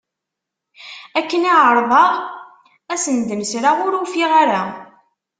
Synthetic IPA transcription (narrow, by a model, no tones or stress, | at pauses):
ækːəniʕəɾˤðˤɑʁ | æsənd̪əmsɾaʁʊɾufiʁaɾa